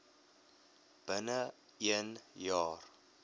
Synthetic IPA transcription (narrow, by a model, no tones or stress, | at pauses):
b̥ənə | iənjɑːr